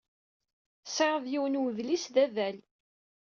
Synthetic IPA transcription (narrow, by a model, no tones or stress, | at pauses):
sˤeʁˤəðjiwənwðlisðæðæl